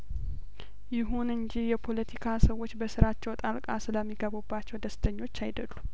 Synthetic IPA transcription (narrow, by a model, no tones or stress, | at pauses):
jɪɦunɨnd͡ʒijɛpʰo̞lət̪ʰikʰasəwːo̞t͡ʃːbəsɨɾat͡ʃːɛwt̪ʼalkʼasɨləmːiɡəβubːat͡ʃːɛwd̪əst̪ʰəɲːo̞t͡ʃːajd̪əlːu